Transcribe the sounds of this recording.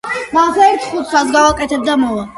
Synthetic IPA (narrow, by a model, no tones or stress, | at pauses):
maʁsaɛɾt̪ʰχut̪ʰsazɡavakʼɛt̪ʰɛb̚d̪amɔva